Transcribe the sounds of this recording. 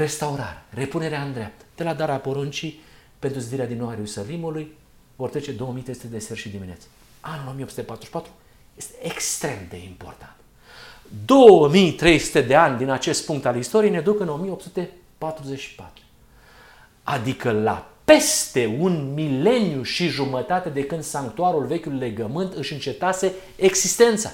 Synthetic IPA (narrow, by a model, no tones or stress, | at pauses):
ɾe̞st̪auɾa̰ɾere̞pune̞ɾeaɨnd̪ɾeap̚t̪ə̥d̪̥e̞lad̪aɾapo̞ɾunt͡ʃi | pe̞nt̪ɾuzid̪iɾead̪inːowaeɾusalimuluj | vo̞rt̪ɾet͡ʃe̞d̪o̞womijt̪ɾesut̪ed̪eserʃid̪iminḛt̪se̥ | anulo̞mijeopsut̪epat̪ɾuzeʃipat̪ɾu | je̞st̪eekst̪ɾe̞md̪e̞̰impo̞̰rt̪ḁnt̪ | d̪o̞wəmijt̪ɾe̞jsu̥t̪e̞d̪e̞anʲd̪inat͡ʃe̞st̪̚puŋk̚t̪alist̪o̞ɾijened̪ukɨno̞mijeopsut̪e̞ | pat̪ɾuzet͡ʃʲʃi̥pa̰t̪ɾu̥ | a̰d̪ikəla̰pe̞st̪e̞unmile̞njuʃiʒumət̪at̪e̞d̪e̞kɨnd̪saŋkt̪uaɾulve̞kʲulile̞ɡəmɨnt̪ɨʃɨnt͡ʃe̞t̪ase̞ | eɡzist̪e̞nt̪sa̰